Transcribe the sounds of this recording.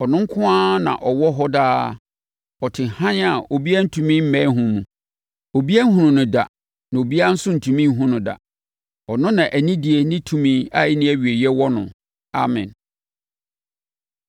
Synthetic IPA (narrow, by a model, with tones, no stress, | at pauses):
ɔ˨nʊ̃˦ŋ˦kʰʊ̃˦aː˦nã̰˨ʔɔ˨wɔ˦ɦɔ˦daː˦ | ɔ˨tʰɪ̃˨hã˦n˦a˨o˨bi˦a˦n̩˦tʰũ˨mĩ˦m̩˦mɛ̃˦ɦʊ̃˨mũ˨ | o˨bi˦æ˦ɦũ˨nʊ̃˨nʊ̃˨da̰˨ | nã˨o˨bi˦a˦n̩˦sʊ˦n̩˨tʰũ˨mĩ˦m˦ɦʊ̃˦nʊ̃˨da̰˨ | ɔ˨nʊ̃˦nã˨ʔæ˨nĩ˦di˨e˨nĩ˦tʰũ˦mĩ˦a˦˨ɪ˦nɪ̃˦æ˨ɥi˨e˨jɛ˦wɔ˦nʊ̰̃˨ | a˨mɛ̰̃˨n